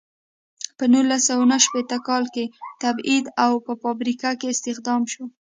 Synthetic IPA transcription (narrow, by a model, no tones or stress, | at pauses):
pənulasawanaʃpet̪əkɑlket̪abid̪awpəfɑbɾikakeɪst̪ɪxd̪ɑmʃo